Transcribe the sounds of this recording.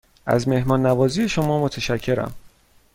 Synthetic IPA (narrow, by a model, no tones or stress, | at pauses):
ʔæ̰zme̞hmɒːnːævɒːzijeʃo̞mɒːmot̪ʰeʃæcʰːe̞ɾæ̰m